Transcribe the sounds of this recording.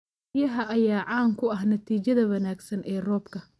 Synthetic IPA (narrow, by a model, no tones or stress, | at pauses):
jɐɦɐʔɐjaːʕɑːŋkʰʊɐɦnɐt̪ʰiːt͡ʃɐðɐwɐnaːɡsɐnʔɛːrɔːbkʰɐ